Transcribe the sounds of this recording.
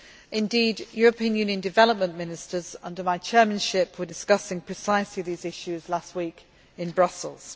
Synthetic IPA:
ʔɪ̃ndiːdjɔːɹəpʰĩə̃njʉːnjə̃ndɪvɛləp̚mə̃nmɪ̃nɪstəz̥ʌ̰̃ndəmaɪt͡ʃʰɛːmə̃nʃɪpʰwədɪskʌsɪ̃ŋpʰɹ̥ɪsaɪsliðiːzɪʃʉzlast̚wiˑk | ɪ̃nbɹʌsəl̩ˠz̥

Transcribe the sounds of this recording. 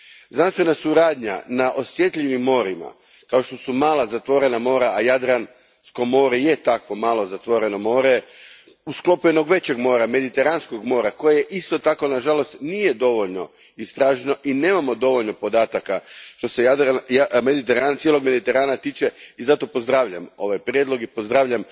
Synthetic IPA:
znanst̪ʋe̞nasuɾaːd̪ɲa̰naʔo̞sje̞t̪ʎʲiʋimːo̞ɾima̰ | kao̞ʃt̪o̞sumaːlazat̪ʋo̞ɾe̞namo̞ːɾaajad̪ɾan | skomo̞ɾejet̪akʋo̞maːlˠo̞zat̪ʋo̞ɾe̞no̞mo̞ːɾe | usklo̞pjeno̞ɡʋe̞t͡ɕe̞ɡmo̞ːɾame̞d̪it̪e̞ɾansko̞ɡmo̞ːɾako̞jajeʔist̪o̞t̪ako̞naʒalo̞st̪nije̞d̪o̞ʋo̞ʎno̞ | ist̪ɾaːʒeno̞ʔine̞ːmamo̞d̪o̞ʋoʎno̞po̞d̪aːt̪akaʃt̪o̞sejad̪jamed̪it̪eɾant̪jelo̞ɡme̞d̪it̪e̞ɾaːnat̪iːt͡ʃe̞izat̪o̞po̞zd̪ɾaʋʎamo̞ʋajpɾʲjed̪lo̞ɡipo̞zd̪ɾaʋʎam

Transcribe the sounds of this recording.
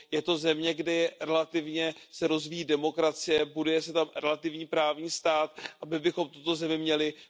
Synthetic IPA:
jɛt̪o̞zɛmɲɛɡdɪɾɛlat̪ɪvɲɛsɛɾo̞zvijiːdɛmo̞kɾat͡sɪjɛbudʊjɛsɛt̪amɾɛlat̪ɪvɲiːpɾaːvɲiːst̪aːt̪ʔabɪbɪxo̞mt̪ut̪o̞zɛmɪmɲɛlɪ

